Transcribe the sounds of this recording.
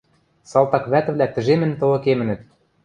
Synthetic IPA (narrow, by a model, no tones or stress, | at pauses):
sɑlˠt̪ɑkβæt̪ɘ̆βlʲæt̪ɘ̆ʒemɘ̆nt̪ɤ̆lɤ̆kemɘ̆nɘ̆t̪̚